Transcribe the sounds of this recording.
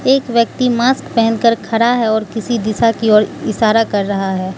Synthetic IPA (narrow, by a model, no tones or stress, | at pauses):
eːkʋjək̚t̪imaːskpɛɦɛ̃nkəɾkʰɐɾaɦɛɔːɾkɪsid̪ɪsakiɔːɾɪʃaːɾakɐɾːɐɦaɦɛː